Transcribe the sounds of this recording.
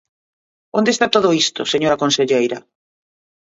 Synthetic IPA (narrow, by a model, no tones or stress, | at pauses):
õnd̪est̪at̪oð̞ʊist̪ʊ̰seɲoɾɐkõnseʎejɾɐ